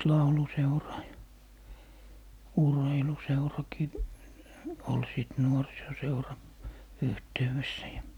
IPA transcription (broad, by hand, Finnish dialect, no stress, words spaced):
lɑuluseurɑː jɑ urheiluseurɑki ol siˑt nuorisoseurɑ yhteyw̆esːæ jɑ